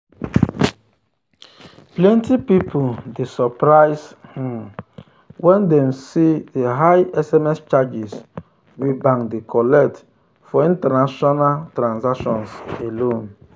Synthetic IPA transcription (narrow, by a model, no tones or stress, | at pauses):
plɛ̃ntipipʰudesɔpɾaɪshĩm | wɛ̃ndɛmsideɦajɛsɛmɛst͡ʃad͡ʒis | wibãŋdekʰɔlɛt | fɔĩntɛnaʃɔnaltɾãnzaʃɔ̃nselõn